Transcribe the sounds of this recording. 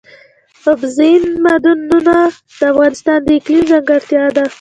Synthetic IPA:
ʊbzinmad̪unːuna | d̪̥əafɣɑnɪst̪ɑnd̪əɪklimzaŋɡaɾt̪jɑd̪a

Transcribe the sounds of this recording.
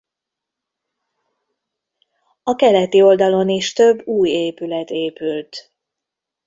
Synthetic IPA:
ɒkɛlɛt̪io̞ld̪ɒlo̞niʃt̪ø̞bːuːjeːpylɛt̪eːpylt̪

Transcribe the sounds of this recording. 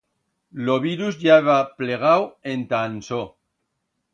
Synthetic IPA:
loβiɾuzʝaβapleɣ̞awent̪anso

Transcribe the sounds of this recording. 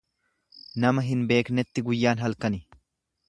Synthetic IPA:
nɐmɐɦɪnbe̞ːknɛt̪ːɪɡʊjːaːnɦɐlkɐnɪ

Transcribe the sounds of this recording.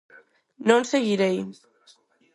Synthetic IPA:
nonseɣiɾej

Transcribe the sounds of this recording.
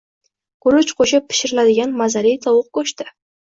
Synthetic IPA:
kɵɾʊt͡ʃqʰoʃɪpʰːɪ̥ʃɪɾɪlad̪ɪɡʲanmazaɾijt̪ʰɒwʊq̚kɵʃt̪ɪ

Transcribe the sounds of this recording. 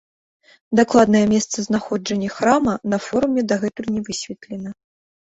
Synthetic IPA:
d̪aklˠad̪nɐjɐmʲɛst̪sɐznaxɔd͡ʐɐnʲːɐxɾamɐnɐfɔɾumʲɛd̪ɐɣɛt̪ɨrnʲɛvɨsʲvʲɛt̪lʲɛnɐ

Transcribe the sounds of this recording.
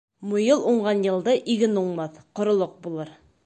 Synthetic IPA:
mojɤlˠuɴʁɑnjɤ̆lˠd̪ɤʔiɡɘnuɴmɑθqŏɾŏlˠɤq̚bulˠɤɾ

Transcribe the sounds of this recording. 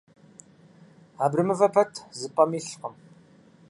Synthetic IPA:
aːbrɨmɨvɐpʰɐtʰzɨpʼɐmiːɬqəm

